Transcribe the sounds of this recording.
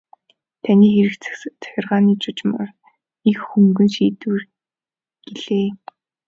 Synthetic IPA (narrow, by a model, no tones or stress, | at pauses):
t̪ʰæniːxeɾɘ̆kt͡sœ̥xʲɪ̆rʁaːniːt͡ɕʊt͡ɕmr | ixxuŋɡɘ̆nʃiːt̪uːr | ɡ̥eɮeː